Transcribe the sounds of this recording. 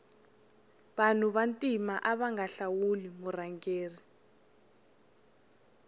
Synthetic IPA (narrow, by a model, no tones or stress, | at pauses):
βan̤uβantʼimaʔaβaŋɡaɬawulimuraŋɡeːri